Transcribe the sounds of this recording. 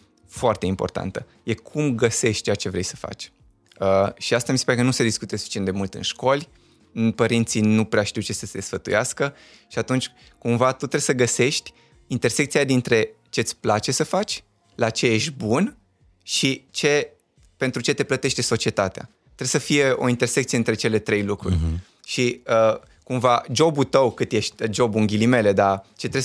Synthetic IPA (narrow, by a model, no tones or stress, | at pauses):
foart̪eimpo̞rt̪a̰nt̪ə | je̞kʰumɡəse̞ʃt̪t͡ʃeat͡ʃe̞vɾe̞̰jsə̥fa̰t͡ʃʲ | əʃiast̪amisepaɾekənuse̞d̪iskut̪esufi̥t͡ʃiend̪e̞mult̪ɨ̰nʃko̞lʲ | pəɾint̪sinupɾeaʃt̪iwt͡ʃe̞səsed̪esfət̪ṵjaskə | ʃiat̪unt͡ʃʲ | kumvat̪ut̪ɾe̞bsəɡəse̞ʃt̪ʲ | int̪e̞rsekt̪sijad̪int̪ɾe̞ | t͡ʃe̞ɨt̪sʲplat͡ʃe̞səfat͡ʃʲ | lat͡ʃe̞je̞ʃt̪ʲbun | ʃit͡ʃe̞ | pe̞nt̪ɾut͡ʃe̞t̪e̞plət̪e̞ʃt̪eso̞t͡ʃie̞t̪at̪ea̰ | t̪ɾebsəfije̞o̞̰int̪e̞rsekt̪sieɨnt̪ɾe̞t͡ʃe̞le̞t̪ɾe̞jlukɾṵrʲ | ʃiə | kumvad͡ʒo̞but̪əwkɨt̪je̞ʃt̪ʲd͡ʒo̞buŋɡʲilime̞le̞d̪at͡ʃe̞t̪ɾe